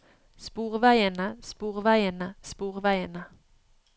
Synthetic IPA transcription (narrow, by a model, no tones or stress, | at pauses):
spuːʁʋæɪənəspuːʁʋæɪənəspuːʁʋæɪənə